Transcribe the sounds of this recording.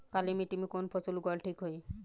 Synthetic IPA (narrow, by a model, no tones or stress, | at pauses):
kalimiʈimikonpʰɔt͡ʃulɡɔlʈʰikɦoj